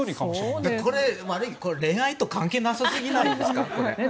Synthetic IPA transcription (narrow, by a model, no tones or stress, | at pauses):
oikd̪eko̞ɾe̞βaɾɯ̟ikoɾe̞ːait̪o̞kãŋke̞ːnasasɨɡʲinaiiake